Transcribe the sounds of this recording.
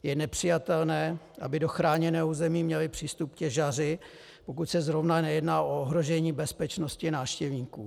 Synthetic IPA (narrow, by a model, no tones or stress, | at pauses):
jɛnɛpr̝̥ɪjat̪ɛlnɛː | ʔa̰bɪdo̞xɾaːɲɛnɛːuːzɛmiːmɲɛlɪpr̝̥iːst̪up̚kcɛʒarɪ | po̞kucsɛzɾo̞vnanɛjɛdnaːʔooɦɾo̞ʒɛɲiːbɛspɛt͡ʃno̞scɪnaːfʃcɛvɲiːkṵː